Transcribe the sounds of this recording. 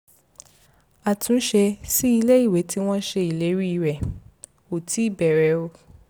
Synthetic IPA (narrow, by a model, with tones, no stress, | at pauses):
a˨tʰũ˨˦ʃɛ˧si˦i˧le˦i˦˨we˨˦ti˦w̃ɔ̃˦ʃe˧i˨le˨˦ɾi˦i˦˧˨ɾɛ˨ | o˨tʰi˨˦i˦˨bɛ˨ɾɛ˨˦o˧